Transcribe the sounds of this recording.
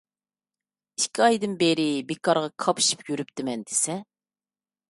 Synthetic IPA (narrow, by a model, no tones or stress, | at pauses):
iʃkʲiɑjd̪ɨnbeɾɪbekʰɑɾʁɑkʰɑpʰʃi̥pjyɾyp̚t̪ɪmɛnd̪e̥sɛ